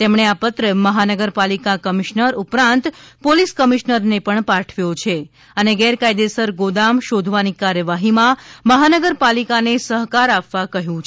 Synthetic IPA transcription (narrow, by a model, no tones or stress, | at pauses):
t̪emɳeapət̪ɾəməɦanəɡəɾpalikakəmiʃnəɾupɾãnt̪poliskəmiʃnəɾnepəɳpaʈʰʋjot͡ʃʰe | əneɡɛɾkajd̪esəɾɡod̪amʃod̪ʱʋanikaɾjəʋaɦimãməɦanəɡəɾpalikanesəɦkaɾapʋakəɦjũt͡ʃʰ